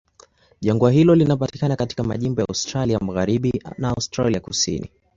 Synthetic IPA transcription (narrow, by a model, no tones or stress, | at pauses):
ʄaŋɡuaɦilɔlinapati̥kanakati̥kama̰ʄimbɔja̰ustɾaliamaɣaɾiɓinaːustɾa̰liakusḭnḭ